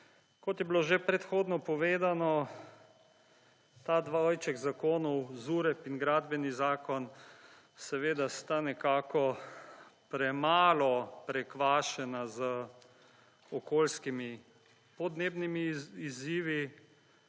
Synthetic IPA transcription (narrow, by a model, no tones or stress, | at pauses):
kɔt̪jɛbloʒepɾɛt̪xoːd̪nɔpɔʋeːd̪anɔ | t̪ad̪ʋojt͡ʃɛɡzakoːnɔwzuɾɛpinɡɾaːd̪bɛnizaːkɔn | sɛʋeːd̪ast̪anɛkaːkɔ | pɾɛmaːlɔpɾɛkʋaːʃɛnazə | ɔkoːlskimi | pɔd̪neːbnimiːziːʋi